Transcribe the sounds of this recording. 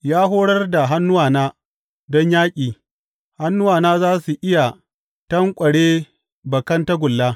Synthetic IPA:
jaː˦ɦoː˦ɽɐ˦rda˨ɦa˦nːʊ˦waː˨naː˦ | dɔ˦ɲjaː˦kʲʼiː˨ | ha˦nːʊ˦waː˨naː˦zaː˦su˨ʔɪ˦ja˨ | tɐ˦ŋkʷʼɐ˨ɽeː˦ | bɐ˨kɐ˦nta˦ɡʷʊ˨lːaː˦

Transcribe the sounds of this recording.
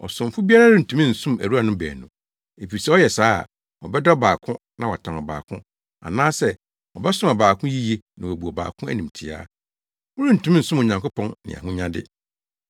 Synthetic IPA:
ɔ̰˨sʊ̃˨m̩˨fʊ˦bi˦a˦ɾa˦ɾɪ˦n̩˨tʰũ˨mĩ˦n̩˨sʊ̃˦mæ̰˨ɾu˦a˦˨nʊ̃˦bæ̰ː˨nʊ̃˨ | e˨pi˨sɛ˦ɔ˦jɛ˨saː˦a̰˨ | wɔ˨bɛ˦dɔ˦baː˨kʰʊ̃˦ | nã˨wɔ˨tʰã˨nɔ˨ba̰ː˨kʰʊ̰̃˦ | a̰˨nãː˦sɛ˦ | wɔ˨bɛ˦sʊ̃˦ma˨baː˨kʰʊ̃˦ji˦je˦nã˨wæ˨bu˨ɔ˨ba̰ː˨kʰʊ̃˦æ̰˦˨nĩ˨mtʰɪ˨a̰ː˦ | wʊ˦ɾi˦n̩˨tũ˨˦mĩ˦n̩˨sʊ̃˦mʊ˨ɲã˨ŋko˦pʰɔ̃˦nːɪ̰̃˨a̰˨ɦʊ̃˦ɲã˦dɪ̰˦

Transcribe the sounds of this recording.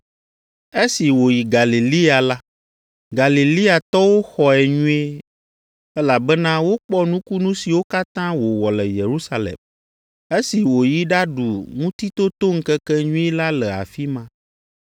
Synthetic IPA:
e˦si˨wo˨ji˨ɡa˨li˨li˦a˨la˦ | ɡa˨li˨li˦a˨t̪ɔ˦wo˦xɔ˨ɛ˨ɲũ˦e˦ | ɛ˦la˨bɛ˦nã˦wo˦k͡pɔ˦nũ˦ku˦nũ˦si˨wo˦ka˦t̪ã˦wo˨wɔ˨lɛ˨je˨ɾu˦sa˦lɛ̰˨m | e˦si˨wo˨ji˦ɖa˦ɖu˨ŋũ˦t̪i˦t̪o˦t̪o˦ŋ̩˦kɛ˦kɛ˦ɲũ˦e˦la˦lɛ˨a̰˨fi˦mã˦

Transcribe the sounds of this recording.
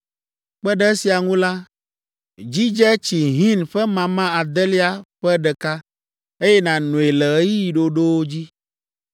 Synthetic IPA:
k͡pɛ˦ɖɛ˦si˨a˨ŋũ˦la˦ | d͡ʑi˦d͡ʒɛ˦t͡ɕi˨ɦĩ˦nɸɛ˦mã˨mã˦a˨d̪ɛ˦li˦a˨ɸɛ˦ɖɛ˨ka˦ | e˦jɛ˦nã˨nũ˨e˨lɛ˨˦ji˦ji˨ɖo˦ɖo˦wo˦d͡ʑi˦

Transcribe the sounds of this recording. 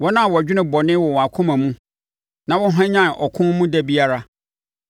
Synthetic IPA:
wɔ˦nã˦˨wɔ˨æ˨d͡ʑᶣɪ˦nʊ̃˦bɔ˨nɪ̃˦wɔ˨wa˨kʰʊ̃˦mã˨mũ˦ | nã˨wɔ˦ɦã˦ɲã˦n˨ʔɔ˨kʰʊ̃˦mũ˦dɛ˦bi˦a˦ɾa˦

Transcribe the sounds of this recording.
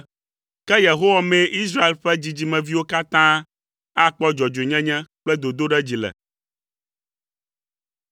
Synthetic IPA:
kɛ˦je˨ɦo˦wa˨mẽ˦ʔi˦s̬ɾa˦e˨lɸɛ˦d͡ʑi˨d͡ʑi˨mɛ̃˨vi˦wo˦ka˦t̪ã˦ | a˦k͡pɔ˦d͡ʒɔ˨d͡ʒe˨ɲɛ̃˦ɲɛ̃˦k͡plɛ˦d̪o˨d̪o˦ɖɛ˦d͡ʑi˨lɛ̰˨

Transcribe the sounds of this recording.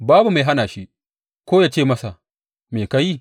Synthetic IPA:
baː˦bu˨ma˨jɦa˦naː˨ʃi˦ʔ | kʷoː˦jaː˦t͡ʃeː˦˨mɐ˦sa˨ | meː˨ka˦ji˦˨

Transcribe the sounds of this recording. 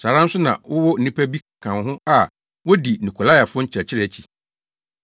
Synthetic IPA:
saː˨ɾã˦n̩˦sʊ˦nã̰˨wɔ˦wɔ˦n̩˨nĩ˦pʰæ˦bi˦˨kʰã˨nɦʊ̃˦a˨ | wɔ˦di˨nũ˨kʰo˨la˦ja˨fʊ˦ɔ˦ɲ̩˦t͡ɕʰɾɛ˨t͡ɕʰɪ˦ɾɛ˦˨æ˨t͡ɕʰi̥˨

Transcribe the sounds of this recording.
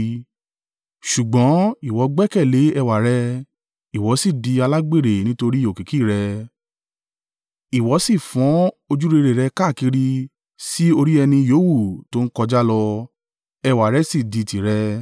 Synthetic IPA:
ʃu˨ɡ͡bɔ̃˨˦i˨wɔ˨˧˦ɡ͡bɛ˦kɛ˦˨le˨˦ɛ˧wa˨ɾɛ˧ | i˨wɔ˨˦si˦˨di˧a˧la˦ɡ͡be˦˨ɾe˨nĩ˦to˧ɾi˦o˨ki˨ki˦˨ɾɛ˧ | i˨wɔ˨˦si˦˨fɔ̃˨˦o˧d͡ʒu˦ɾe˧ɾe˨ɾɛ˧ka˦˨ki˧ɾi˧ | si˦o˧ɾi˦ɛ˧nĩ˧joː˨˦wu˦˨to˦n̩˦kɔ˧d͡ʒa˦lɔ˧ | ɛ˧wa˨ɾɛ˧si˦˨di˨˧˨ti˨ɾɛ˧

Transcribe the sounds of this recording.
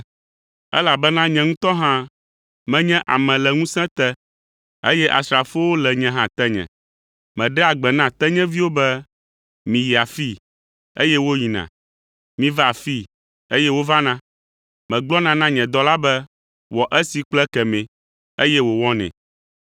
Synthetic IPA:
ɛ̰˦la˨bɛ˦nã˦ɲɛ̃˨ŋũ˦t̪ɔ˦ɦã˦ | mɛ̃˦ɲɛ̃˦ʔa˨mɛ̃˨lɛ˨ŋũ˦sɛ̃˦t̪ɛ˦ | ḛ˦jɛ˦ʔa̰˨sɾa˨fo˦wo˦lɛ˨ɲɛ̃˦ɦã˦t̪ɛ˦ɲɛ̰̃˨ | mɛ̃˨ɖɛ˦a˨ɡ͡bɛ˨nã˦t̪ɛ˦ɲɛ̃˦vi˦wo˦bɛ˦ | mĩ˨ji˨a˨fi˦˨ | e˦jɛ˦wo˦ji˨nã̰˨ | mĩ˦va˨fi˦˨ | e˦jɛ˦wo˦va˦nã˦ | mɛ̃˨ɡ͡blɔ˦nã˦nã˦ɲɛ̃˨d̪ɔ˦la˦bɛ˦ | wɔ˨ʔɛ˦si˨k͡plɛ˦kɛ˨mɛ̃˨ | e˦jɛ˦wo˨wɔ˦nɛ̰̃˨

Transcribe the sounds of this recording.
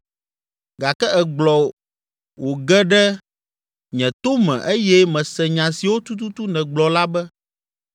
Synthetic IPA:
ɡa˨kɛ˦ʔɛ˨ɡ͡blɔ˨ | wʔo˨ɡɛ˦ɖɛ˦ | ɲɛ̃˨t̪o˦mɛ̰̃˨ʔe˦jɛ˦mɛ̃˨sɛ˨ɲã˨si˨wo˦t̪u˦t̪u˦t̪u˦nɛ̃˨ɡ͡blɔ˨la˦bɛ˦

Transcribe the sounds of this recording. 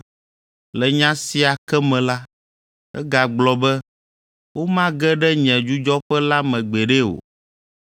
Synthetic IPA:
lɛ˨ɲã˦si˨a˨kɛ˦mɛ̃˨la˦ | ɛ̰˦ɡa˨ɡ͡blɔ˨bɛ˦ | wo˦mã˦ɡɛ˦ɖɛ˦ɲɛ̃˨d͡ʒu˦d͡ʒɔ˦ɸɛ˦la˦mɛ̃˨ɡ͡bɛ˨ɖɛ˦o̰˨

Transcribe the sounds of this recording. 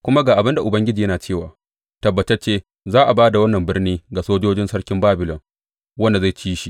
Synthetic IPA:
kʷʊ˦ma˦ɡaː˨ʔa˨bɪ˦nda˨ʔʊ˨bɐ˦ŋɡʲɪ˦d͡ʒiː˨jɐ˦naː˨t͡ʃeː˦˨waː˨ | tɐ˨bːɐ˨tɐ˦t͡ʃeː˦ | zaː˦ʔa˨baː˦da˨wɐ˦nːɐ˨mbɪ˦rniː˦ɡa˨soː˦d͡ʒoː˦d͡ʒɪ˦nsɐ˦ɽkʲɪ˦mbaː˦bɪ˨lɔ˨ŋ | wɐ˦nda˨za˦˨t͡ʃiː˦ʃi˨

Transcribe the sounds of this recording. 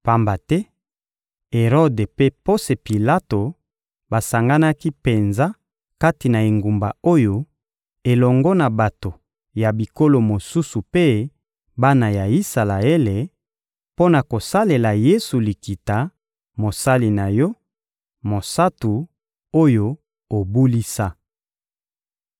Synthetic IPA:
pa˨mba˨tɛ˦ | e˨ʁɔ˦de˨pe˦po˦se˨pi˨la˦to˨ | ba˨sa˨ŋɡa˦na˦ki˦pe˨nza˦ | ka˦ti˨na˨e˨ŋɡu˨mba̰˨o˦jo˦ | e˨lɔ˨ŋɡɔ˦na˨ba˨to˨ | ja˨bi˨ko˦lo˨mo˨su˦su˨pe˦ | ba˦na˨ja˨i˦sa˨la˨e˦le˨ | po˦na˨ko˨sa˦le˨la˨je˦su˨li˨ki˨ta˨ | mo˨sa˦li˨na˨jɔ˦ | mo˨sa˦tu˨ | o˦jo˦ | o˨bu˦li˦sa˦

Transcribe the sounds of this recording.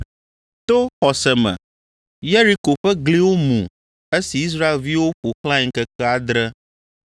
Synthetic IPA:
t̪o˦xɔ˨sɛ˨mɛ̰̃˨ | je˦ɾi˦ko˨ɸɛ˦ɡli˦wo˦mṵ̃˨ | e˦si˨i˦s̬ɾa˦e˨lvi˦wo˦ɸo˨xlã˦ĩ˦ŋkɛ˦kɛ˦a˦d̪ɾɛ˦

